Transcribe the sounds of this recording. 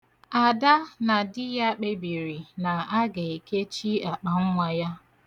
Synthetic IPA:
a˨da˦na˨dɪ˦ja˦k͡pe˦bi˨ɾi˨na˨a˦ɡe˨i˨ke˦t͡ʃi˦a˨k͡pa˨ŋ̩˦ŋʷa˨ja˦

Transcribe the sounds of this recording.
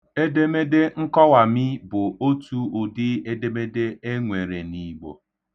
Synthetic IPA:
e˦de˦me˦de˦ŋ̩˦kɔ˦wa˨mɪ˦bʊ˨o˦tu˦ʊ˨dɪ˦e˦de˦me˦de˦e˦ŋʷe˨ɾe˨ni˦ɡ͡bo̰˨

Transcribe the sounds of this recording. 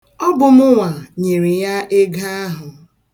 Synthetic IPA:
ɔ˦bʊ˨mʊ˦ŋʷa˨ɲe˨ɾi˨ja˦ʔe˦ɡa˦a˦ɦʊ˨

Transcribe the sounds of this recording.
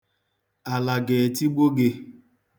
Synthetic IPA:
a˨la˨ɡe˨ti˦ɡ͡bo˦ɡe˦

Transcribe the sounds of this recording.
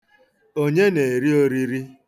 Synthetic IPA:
o˦ɲe˦ne˨ɾi˦o˦ɾi˦ɾi˦

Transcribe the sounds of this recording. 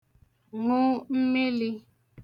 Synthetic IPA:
ŋʊ˦m̩˦me˦li˦

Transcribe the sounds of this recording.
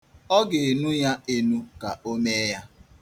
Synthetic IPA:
ɔ˦ɡɪ˨e˨nu˦ja˦e˦nu˦ka˨o˦me˦ja˦

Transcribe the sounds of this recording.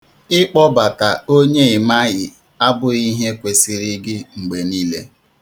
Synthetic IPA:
ɪ˦k͡pɔ˦ba˨ta˨o˦ɲe˦ɪ˨ma˦ɣɪ˨ | a˦bʊ˦i˦ɦe˦kʷe˨sɪ˨ɾɪ˦ɡɪ˦ŋ͡m̩˨ɡ͡be˨niː˦le˦

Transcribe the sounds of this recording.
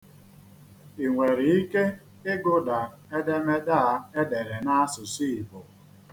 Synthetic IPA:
i˨ŋʷe˨ɾi˨i˦ke˦ | ɪ˦ɡʊ˦da˨ | e˦de˦me˦da˦e˦de˨ɾe˨na˦a˦sʊ˨si˦i˨bʊ˨

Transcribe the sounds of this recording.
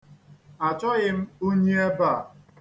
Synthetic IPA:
a˨t͡ʃɔ˦ɣɪ˦m̩˦o˦ɲe˦e˦ba˦˨

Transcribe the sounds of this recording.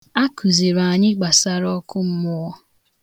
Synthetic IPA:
a˦ku˨ze˨ɾa˨ɲɪ˦ɡ͡ba˨sa˦ɾɔ˦kʊ˦m̩˦mʊ˦ɔ˦

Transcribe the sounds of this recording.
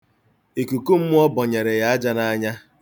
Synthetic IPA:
e˨ku˨ku˦m̩˦mʊ˦ɔ˦bɔ˨ɲe˨ɾe˨ja˦a˦d͡ʒa˦na˦ɲa˦

